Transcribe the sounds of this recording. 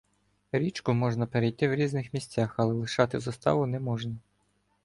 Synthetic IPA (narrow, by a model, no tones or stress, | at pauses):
ɾʲit͡ʃkʊmɔʒnɐpeɾejt̪ɪwɾʲiznɪxmʲisʲt͡sʲaxɐlˠɛlˠɪʃɑt̪ɪzɐst̪ɑ̰ʋʊnɛmɔʒnɐ